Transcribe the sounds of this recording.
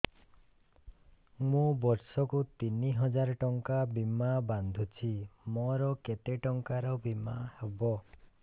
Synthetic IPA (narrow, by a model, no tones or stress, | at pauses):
mũbɔɾsɔkut̪iniɦɔd͡ʒaɾɔʈɔŋkabimaband̪ʱut͡ʃʰimɔɾɔket̪eʈɔŋkaɾɔbimahebɔ